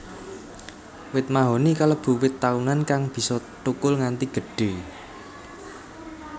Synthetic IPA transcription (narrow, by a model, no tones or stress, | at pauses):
wɪt̪̚maɦonikələb̥ṳwɪt̪ːaunankaŋb̥i̤sɔt̪ukʊlŋant̪iɡ̥ə̤ɖ̥e̤